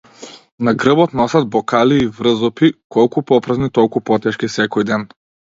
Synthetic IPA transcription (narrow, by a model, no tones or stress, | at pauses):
naɡɾɤbɔt̪nɔsad̪̚bɔkaliːvɾɤzɔpikɔlˠkupɔpɾaznit̪ɔlˠkupɔt̪ɛʃkisɛkɔjd̪ɛn